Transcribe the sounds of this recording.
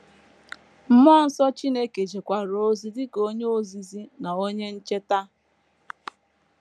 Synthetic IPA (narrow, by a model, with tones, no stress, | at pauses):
m̩˦mɔ˦n̩˦sɔ˦t͡ʃi˦ne˦ke˨d͡ʒe˨kʷa˨ɾo˦zi˦dɪ˦ko˦ɲ˦o˦zi˨zi˦na˨o˦ɲe˦n̩˦t͡ʃe˦ta˦